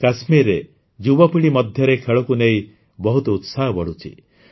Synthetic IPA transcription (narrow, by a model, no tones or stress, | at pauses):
kasmiɾːe | d͡ʒubɔpiɽ̃imɔd̪ʱjɔɾekʰeɭɔkunei | bɔɦut̪ɔut̪saɦɔbɔɽut͡ʃʰḭ